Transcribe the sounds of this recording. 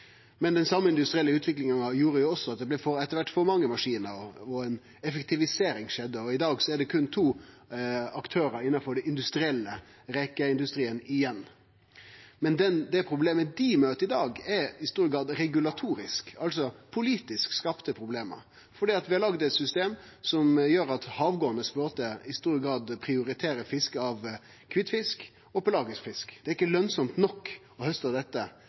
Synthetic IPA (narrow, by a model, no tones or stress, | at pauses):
mɛnd̪ɛnsɑmːəɪnd̪ʉst̪ɾɪɛlːəʉːt̪ʰʋɪklɪŋəŋɑjuːɾəjʊɔsːɔɑt̪̚d̪ɛblæfɔɾɛt̪ːəɾʋæʈːfɔɾmɑŋːəmɑʂiːnəɾɔɔɛn | ɛfəkt̪ɪʋɪseːɾɪŋʂɛd̪ːəɔɪd̪ɑːɡsɔæɖɛkʰʉnt̪ʰuː | ɑkt̪ʰøːɾəɾɪnːɑfɔɖɛɪnd̪ʉst̪ɾɪɛlːəɾɛkəɪnd̪ʉst̪ɾiːənɪjɛnː | mɛnd̪ɛnd̪ɛpʰɾʊbleːməd̪ɪmøːt̪əɾɪd̪ɑːɡɛɾɪst̪uːɾəɡɑːd̪ɾɛɡʉlɑt̪ʰuːɾɪskɑlsɔpʰʊliːt̪ɪskskɑpt̪əpʰɾʊbleːmə̰ɾ | fɔɖiːɑt̪ʋɪhɑɾlɑɡd̪ɛt̪sʏst̪eːm | sɔmjøːɾɑt̪hɑːʋɡoːənəspɾoːt̪əɪst̪uːɾəɡɑːd̪pʰɾɪʊɾɪt̪ʰeːɾəfɪskɑʋ | kʰʋɪt̪ːfɪsk | ɔpəlɑːɡəsfɪskd̪ɛæɾɪkːəlœnsɔmt̪nɔkː | ɔhœst̪ɑʋd̪ɛt̪ːə